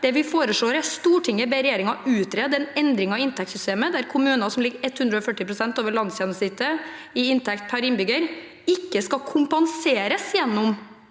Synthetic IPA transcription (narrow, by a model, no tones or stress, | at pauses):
d̪̥ɛʋɪfoːɾəʂɭoːɾæɾst̪uːʈʰɪŋːəbɛɾɛjeːɾɪŋɑʉːt̪ɾɛd̪ɛnɛnd̪ɾɪŋɑɪnt̪ʰɛkt̪sʏst̪eːməd̪æɾkʰʊmʉːnɑsɔmlɪɡɛt̪ːhʉnd̪ɾəɔfœʈːɪpɾʊsɛnt̪oːʋəɭɑnsjɛnsɪt̪ːə | ɪɪnt̪ʰɛkt̪̚pʰæɾɪnbʏɡəɾ | ɪkːəskɑkʰʊmpɑnseːɾəsjɛnːʊm